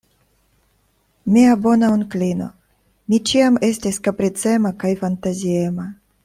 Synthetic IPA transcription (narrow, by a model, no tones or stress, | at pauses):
miabo̞naunklino̞̰ | mit͡ʃiame̞stiskapɾit͡se̞makajfantaziema